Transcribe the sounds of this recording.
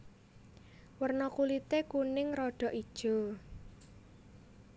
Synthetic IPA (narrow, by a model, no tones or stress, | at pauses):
wərnɔkulit̪ekunɪŋɾɔɖ̥ɔ̤ʔid̥ʒ̥ɔ̤